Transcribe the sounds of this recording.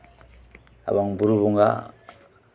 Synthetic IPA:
a̰βaŋbuɾuβuŋɡa̰

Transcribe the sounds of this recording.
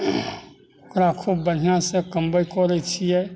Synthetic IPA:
kɾaːkʰubən̤ijãsekəmbəikɔɾəit͡ʃʰiɛː

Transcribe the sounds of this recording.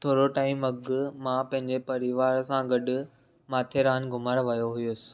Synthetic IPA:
t̪ʰoːɽoʈaːɪmɐɡmãpɐ̃ɦɪ̃ɲd͡ʑepɐɾɪʋaːɾsãɡɐɖʊ̆ | maːt̪ʰeɾaːnɡʊməɾʋɐjoɦujʊsɪ̥̆

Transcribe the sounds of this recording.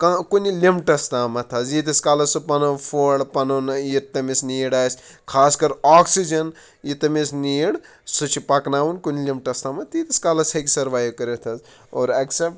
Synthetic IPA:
kakunilimʈɐst̪aːmɐt̪ʰɐzjit̪iskaːlɐsɨpɐnɐpʰoːɽpɐnonjit̪ɐmisniːɽaːsʲkʰaːskɐɾaːksid͡ʒɐn | jit̪ɐmesniːɽ | sɨt͡ʃʰipɐknaːʋunkunilimʈɐst̪aːmɐt̪it̪iskaːlɐsɐkʲisɐɾʋaːjokɐɾet̪ʰɐz | oːɾɐksepʈ

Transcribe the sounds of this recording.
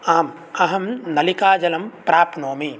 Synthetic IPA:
aːm | ɐɦɐmnɐlikaːd͡ʒɐlɐmpɾaːpnoːmi

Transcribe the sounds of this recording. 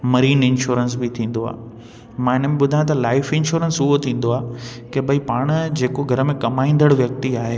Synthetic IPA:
mɐɾiːnɪ̃nʃuːɾənsbɪt̪ʰĩːn̆d̪oa̰ː | mãːɪnəmẽɓʊd̪ʱaːj̃t̪ɐlaːɪfɪ̃nʃuːɾənsʊɦot̪ʰĩːn̆d̪oaː | kebʱɐipaːɽ̃d͡ʑeːkoɡʱɐɾəmẽkɐmaːĩːnd̪əɽʋjɐk̚t̪iaːɦe

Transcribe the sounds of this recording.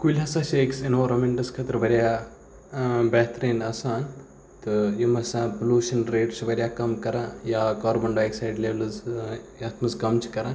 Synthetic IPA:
kulʲɦɐsaːʃeːksenʋaːɾɐmeɳʈɐskʰɐt̪ɾbɐɾʲjaː | bɐːt̪ɾeːnɐsaːn | t̪ɨjimɐsãːpluːʃɐnɾeːʈt͡ʃibɐɾʲjaːkɐmkɐɾãːjaːkaːɾbɐɳɖaːjksajɖleːʋlɐzjɐt̪ʰmɐskɐmt͡ʃʰi̥kɐɾãː

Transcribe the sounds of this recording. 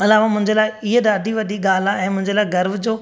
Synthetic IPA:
ɐlaːʋamʊ̃ɦɪ̃ɲd͡ʑəlaːɪɪɦeɗ̪aːd̪ʱiʋɐɗiɠaːl̤aɛ̃ːmʊ̃ɦɪ̃ɲd͡ʑəlaːɪɡɐɾʋd͡ʑoː

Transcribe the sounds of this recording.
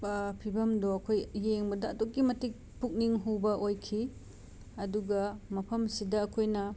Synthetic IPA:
pʰibɐmdoɐkʰojːeŋbɐdɐːtokːimɐtik̚puk̚niŋɦubɐʔojkʰi | ɐduɡɐmɐpʰɐmsidɐːkʰojnɐ

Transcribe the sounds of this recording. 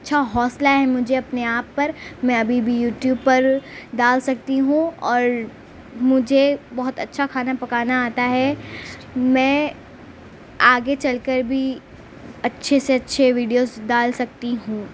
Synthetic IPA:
ɐtːʃʰaɦɔːslaɦɛmʊd͡ʒʱeɐpneaːpːɐɾmɛ̃ɐbʱibʱijuːʈjuːbpɐɾɖaːlsɐk̚t̪iɦũɔːɾ | mʊd͡ʒʱebɐɦʊt̪ɐtːʃʰakʰaːnapɐkaːnaaːt̪aɦɛ | mɛ̃ː | aːɡet͡ʃɐlkəɾbʱi | ɐtːʃʰeseɐtːʃʰeʋiːɖijozɖaːlsɐk̚t̪iɦũː

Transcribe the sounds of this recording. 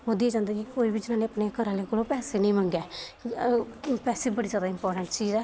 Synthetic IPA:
oːd̪iːeːd͡ʒãːnd̪aːkikoːiːbid͡ʒɪnãːneːəpneːkəɾãːleːkoːlõːpɛːseːnĩːmə̃ŋɡɛː | pɛːseːbəɽiːzjaːd̪aːɪmpɔːɾʈəɳʈt͡ʃiːzɛː

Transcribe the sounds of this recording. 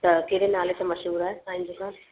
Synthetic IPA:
t̪ɐkeɾenaːlet̪ãmɐʃɦuːɾaːɦeãːɦɪ̃ɲd͡ʑekãː

